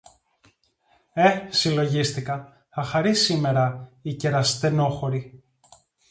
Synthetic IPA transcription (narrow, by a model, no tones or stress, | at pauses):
e̞silo̞ʝist̪ikɐ | ɐxɐɾisime̞ɾɐice̞ɾɐst̪e̞no̞xo̞ɾi